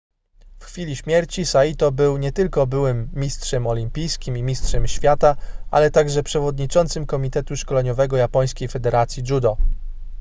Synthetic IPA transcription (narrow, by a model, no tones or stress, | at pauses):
fxfʲilʲiɕmʲjɛɾt͡ɕisait̪ɔbɘwɲɛt̪ɘlkɔbɘwɘmːʲistʂɛmɔlʲimpʲijskʲimimʲistʂɛmɕfʲjat̪aa̰lɛt̪aɡʐɛpʂɛvɔd̪ɲit͡ʂɔnt̪sɘmkɔmʲit̪ɛt̪uʂkɔlɛɲɔvɛɡɔjapɔj̃skʲejfɛd̪ɛɾat̪sʲjiʐud̪ɔ